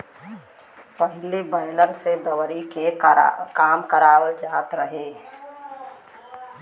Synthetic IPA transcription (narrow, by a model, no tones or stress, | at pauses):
pəɦɪlebəːləlsed̪əwɾikekaːmkəɾaːwəld͡ʒaːt̪ɾəɦe